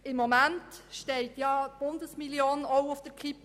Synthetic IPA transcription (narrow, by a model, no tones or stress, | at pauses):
ɪmːomæntʃtɛɪtjɑb̥ʊnd̪əsmiljoːnɔʊʊfd̥əɾkʰip